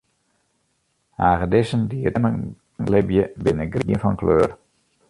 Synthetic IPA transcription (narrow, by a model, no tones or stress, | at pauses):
haːɣədɪsəndiərɛmə | lɪbjəbɪnəɡriənfɔnklø̰ːr